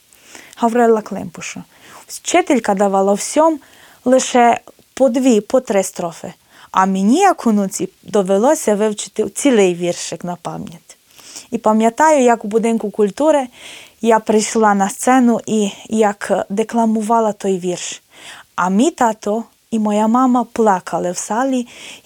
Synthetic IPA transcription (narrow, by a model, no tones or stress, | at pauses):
hɐwɾɛlˠɐklˠɪ̰mpʊʃʊ | t͡ʃɪt̪elʲkɐd̪ɐʋɑlˠɐwsʲɔm | lˠɪʃɛ | pɔd̪ʋʲipɔt̪ɾɪst̪ɾɔfɪ̰ | ɐmenʲijɐkʰʊnut͡sʲi | d̪ɔʋelˠɔsʲɐʋɪwt͡ʃɪ̥t̪ɪwt͡sʲilˠɪjʋʲirʃjɛknɐpɑmjɐt̪ʲ | ipɐmjɐt̪ɑjʊjɐkwbʊd̪ɪnkʊkʊlʲt̪uɾɪjapɾɪjʃlˠɑnɐst̪sɛnʊʔijɐkd̪eklˠɐmʊʋɑlˠɐt̪ɔjʋʲirʃ | ɐmʲit̪at̪ɔ | imɔjamɑmɐplˠɑkʰɐlˠɪwsɑlʲi